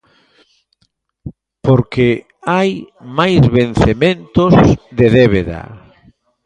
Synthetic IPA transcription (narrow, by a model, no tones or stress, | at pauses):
poɾke | ajmajzβen̟θemẽnt̪ozðeðeβeða̰